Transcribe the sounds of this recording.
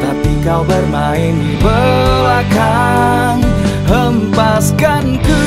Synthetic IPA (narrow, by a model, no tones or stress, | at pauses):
t̪apikawbərmaɪnibəaka | nhəmpaskankɨ